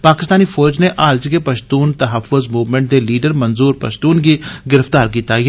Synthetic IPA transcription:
paːkɪst̪aːnifɔːɾd͡ʒneʔaːld͡ʒkepəʃt̪uːnt̪ɐɦəfʊzmuːʋmɛ̃ɳʈ̚d̪eliːɖəɾmənzuːɾpə̰ʃt̪uːnɡiɡɪɾəft̪aːɾk̬iːt̪aɛ

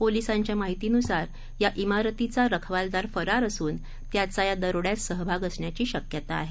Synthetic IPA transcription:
polisãɲt͡ɕjamaɦit̪iːnusaɾ | jaʔimaɾət̪it͡saɾəkʰʋald̪aɾfəɾaɾəsuːn | t̪jat͡sajad̪əɾoɽjat͡ssəɦbʱaɡəsɳjat͡ɕiːɕəkjət̪a̰ːɦe

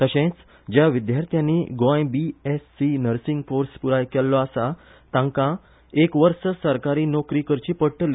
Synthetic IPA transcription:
t̪əɕẽt͡s | d͡ʑjaʋid̪jaɾt̪ʰjãnːiːɡõjbiesːinəɾsiŋɡfoɾspuɾajkelːɔasa | t̪ãŋkã | ekʋəɾsəsəɾkaɾiːnokɾiːkəɾt͡ɕiːpəɽʈəl

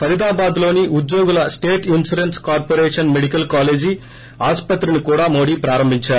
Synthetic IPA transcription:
pʰɐɾit̪aːbaːd̪lo̞ːniʔud̪joːɡulɐsʈeːʈinsuɾenskaːɾpoɾeːʂɐnmeɽikɐlkaːle̞ːd͡ʒi | aːspɐt̪ɾinikuːɽaːmo̞ːɽiːpɾaːɾɐmbʱiɲt͡ʃaːɾu

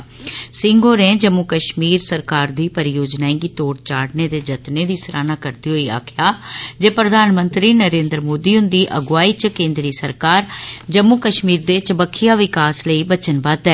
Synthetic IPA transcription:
sɪŋɡoːɾɛ̃ːd͡ʒəmːukəʃmiːɾsəɾkaːɾd̪iːpəɾjoːd͡ʒnaːẽːɡiːt̪oːɽt͡ʃaːɽneːd̪eːd͡ʒət̪neːd̪iːsəɾaːnaːkəɾt̪iːɦoːiːa̰ːkʰjaːd͡ʒeːpɾəd̪ʱaːnmənt̪ɾiːnəɾẽːnd̪ɾmoːd̪iːɦʊ̃nd̪iːʔəɡʊʋaːiːt͡ʃkẽːnd̪ɾiːsəɾkaːɾd͡ʒəmːukəʃmiːɾd̪eːt͡ʃəbəkʰːijaːʋɪkaːsləiːbət͡ʃənbaːt̪ɛː

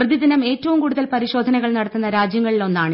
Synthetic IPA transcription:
rɨðid̪inɐme̞ːtːɐʋumkuːɽuðɐlpɐɾiɕo̞ːd̪ʱɐnɐɣɐɭnɐɽɐt̪ːunːɐɾaːd͡ʑjɐŋːɐɭilo̞nːaːɳɨ

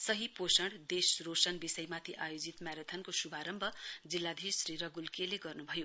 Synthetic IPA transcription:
sʌɦiposʌɽd̪esrosʌnbisʌjmat̪ʰiʔajod͡zit̪maɾet̪ʰʌnkosubʱaɾʌmbʱʌd͡zilːad̪ʱisɾiɾʌɡulkeleɡʌrnubʱʌjo

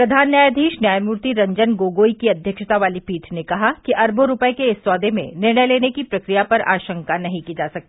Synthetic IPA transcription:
pɾɐd̪ʱaːnjaːjəd̪ʱiːʃnjaːjmuːɾt̪iɾɐ̃ɲd͡ʒənɡoːɡoːikiɐd̪ʱjəkʃət̪aʋaːlipiːʈʰnekɐɦakiʔɐɾbʱoɾʊpəekeɪsːwaːd̪ʱemḛ̃nɪɾɳəjleːnekipɾɐkɾijapɐɾa̰ːʃə̃ŋkanɐɦĩkiːd͡ʒaːsɐk̚t̪iː

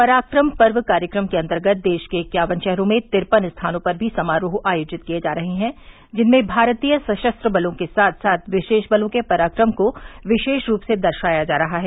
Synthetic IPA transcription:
pɐɾaːkɾəmpɐɾʋkaːɾjəkɾəmkeɐ̃nt̪əɾɡət̪̚ʰd̪eːʃkekjaːʋənʃɛɦɾõmẽt̪ɪɾpənst̪ʰaːnõpɐɾbʱisɐmaːɾuɦʔaːjoːd͡ʒɪt̪̚kijed͡ʒaːɾɐɦeɦɛ̃ | d͡ʒɪnmẽbʱaːɾt̪ijəsɐʃəst̪ɾəbɐlõkesaːt̪ʰsaːt̪ʰʋɪʃeːʃbɐlõkepɐɾaːkɾəmkoʋɪʃeːʃɾuːpsed̪ɐɾʃaːjad͡ʒaːɾɐɦaɦɛː

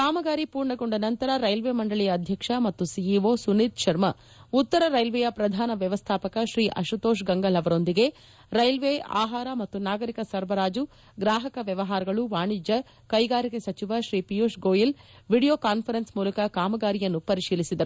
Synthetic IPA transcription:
kaːmɐɡaːɾipuːɾɳɐɡoɳɖɐnɐnt̪ɐɾɐɾɐjlʋeːmɐɳɖɐɭɛjɐːd̪ʱjɐkʂɐmɐt̪ːusijiʋoːsunit̪̚ʃɐɾmɐ | ut̪ːɐɾɐɾɐjlʋɛjɐpɾɐd̪ʱaːnɐʋjɐʋɐst̪ʰaːpɐkɐʃɾiːʔɐ̰ʃut̪oːʃ̬ɡɐŋɡɐlɐʋɐɾo̞nd̪iɡe̞ | ɾɐjlʋeʔa̰ːɦaːɾɐmɐt̪ːunaːɡɐɾikɐsɐɾbɐɾaːd͡ʒu | ɡɾaːɦɐkɐʋjɐʋɐɦaːɾɐɡɐɭuʋaːɳid͡ʒɐ | kɐjɡaːɾikesɐt͡ʃiʋaʃɾiːpijoːʃɡoːjil | ʋiɽijoːkaːnpʰɐɾensmuːlɐkɐkaːmɐɡaːɾijɐnːupɐɾiʃiːlisid̪ɐɾu

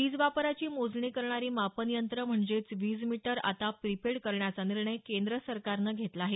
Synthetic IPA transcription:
ʋiːd͡zʋapɾat͡ɕiːmod͡zɳiːkəɾɳaɾiːmapənijənt̪ɾəm̤əɳd͡zet͡sʋiːd͡zmiʈəɾa̰t̪apɾipeɽkəɾɳjat͡saniɾɳəjkend̪ɾəsəɾkaɾnəɡʱet̪laaɦe

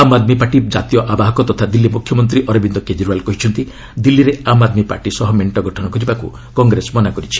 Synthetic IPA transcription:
amad̪mipaʈid͡ʒat̪ijɔʔabaɦɔkɔt̪ɔt̪ʰad̪ilːimukʰːjɔmɔnt̪ɾiʔɔɾɔbind̪ɔked͡ʒɾualkɔɦit͡ʃʰɔnt̪i | d̪ilːiɾeamad̪mipa̰ɾʈisɔɦɔmeɳʈɔɡɔʈʰɔnɔkɔɾibakṵ | kɔŋɡɾesmɔnakɔɾit͡ʃʰi̥

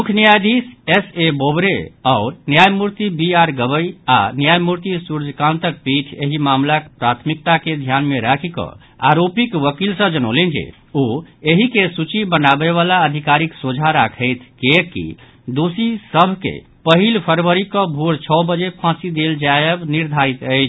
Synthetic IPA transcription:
mukʰnijad̪isesebobɾeaʊɾnjajmuɾt̪ibiaɾɡəbəja̰njajmuɾt̪isuɾd͡ʒʱkãnt̪ək̚piʈʰeɦimamlakpɾat̪ʰmik̚t̪aked̪ʱjanmeɾakʰikɔ̰̃ | a̰ɾopikʋəkilsə̃d͡ʒəno̰lɛnd͡ʒḛ | oeɦikesut͡ʃibənabeβalaəd̪ʱikaɾiksod͡ʒʱaɾakʰəɪt̪ʰkekḭ | d̪osisəbʱkḛ | pəɦilpʰəɾʋəɾikɔbʱuɾt͡ʃʰɔbəd͡ʒepʰãsid̪eld͡ʒajəbniɾd̪ʱaɾit̪əɪt͡ʃʰ

